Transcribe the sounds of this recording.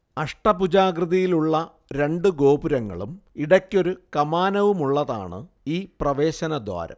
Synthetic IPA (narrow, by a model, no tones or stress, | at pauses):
ɐʂʈɐpud͡ʑaːɡrɨðɐjiluɭːɐ | ɾe̞ɳɖɨɡo̞ːbuɾɐŋːɐ̰ɭumiɽɐkʲːo̞ɾukɐmaːnɐʋumuɭːɐða̰ːɳɨ̰ | iːprɐʋe̞ːɕɐnɐd̪wa̰ːɾɐ̰m